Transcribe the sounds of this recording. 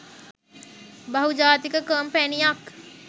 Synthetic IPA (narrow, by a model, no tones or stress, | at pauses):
bɐɦud͡ʒaːt̪ikəkəːmpɛnijak